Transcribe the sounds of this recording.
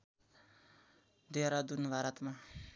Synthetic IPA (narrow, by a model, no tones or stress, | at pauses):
d̪eɾad̪unbʱaɾʌt̪ma